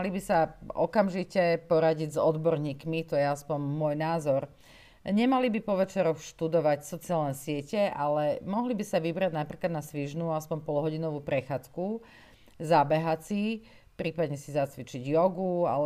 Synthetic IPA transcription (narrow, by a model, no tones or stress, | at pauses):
libisaɔkamʒicɛpɔɾaɟiɟzɔd̪bɔɾɲiːkmit̪ɔjɛaspɔɲmʊɔjnaːzɔɾ | ɲɛmalibipɔʋɛt͡ʃɛɾɔxʃt̪ud̪ɔʋacsɔt͡siaːlnɛsɪɛcɛalɛmɔɦlibisaʋibɾaɟnapɾiːklad̪nasʋiʒnuːaspɔmpɔlɦɔɟinɔʋuːpɾɛxaːt͡sku | zabɛɦat͡si | pɾiːpad̪ɲɛsizat͡sʋit͡ʃiɟjɔɡua̰